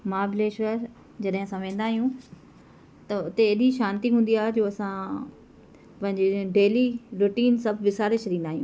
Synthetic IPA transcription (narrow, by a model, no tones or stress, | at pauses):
maːbleːʃʋəɾ | d͡ʑɐɗɦɪ̃ɐsãʋẽːn̆d̪aːɦijũ | t̪ɐʊt̪eːɗiʃaːnt̪iɦũːnd̪iaːɦed͡ʑoːɐsã | pɐ̃ɦɪ̃ɲd͡ʑeɖeːliɾʊʈiːnsɐbʱʋɪsaːɾet͡ɕʰɗ̪ĩːnd̪aːɦijũː